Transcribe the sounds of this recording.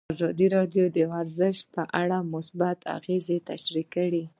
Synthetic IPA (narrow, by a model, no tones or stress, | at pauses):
azɑd̪iɾɑɖjod̪əaɾzɪʃt̪̚pəʔaɽamʊsbat̪ʰa̰ɣezet̪aʃɾikːəɽi